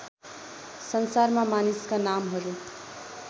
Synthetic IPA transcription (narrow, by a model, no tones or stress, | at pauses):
sʌnsaɾmamaniskanamɦʌɾu